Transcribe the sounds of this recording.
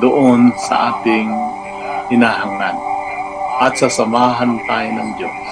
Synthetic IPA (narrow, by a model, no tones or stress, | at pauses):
d̪ʊʔonsɐ̰ʔaːt̪ɪŋ | kɪnaɦaŋlan | ʔɐt̪sasɐmaːɦant̪aːjnɐŋd̪jos